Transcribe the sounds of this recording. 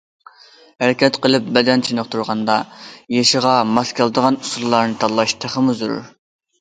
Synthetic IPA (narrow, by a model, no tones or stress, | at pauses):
hæɾɪkʲɛt̪qəlˠɨp̚bɛd̪ɛnt͡ʃʰinəqt̪ʰuɾʁɑnd̪ɑjeʃəʁɑmɑskʲɑlˠɨd̪əʁɑnusulˠlˠɑɾnɨt̪ʰɑlˠːɑʃt̪ʰæχəmuzuɾṵɾ